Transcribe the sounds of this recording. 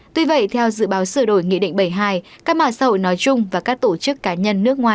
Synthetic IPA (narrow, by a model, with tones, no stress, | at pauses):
t̪wi˧və̰˧˨jt̪ʰɛ˧wzɨ̰˧˨ɓaː˨˦wsɨ˧˩əɗo˧˩jŋḭ˧˨ɗḭ˧˨ŋ̟ɓə˧˩jɦaː˧j | kaː˦˥k̚ɓa̰ː˧˨saː˧ho̰˧˨jnɔ˨˦jt͡ɕʊ˧ŋ͡mvaː˨˩kaː˦˥k̚t̪o˧˩t͡ɕɨ˦˥kːaː˨˦ɲə˧nːɨ˦˥ək̚ŋwaː˨˩j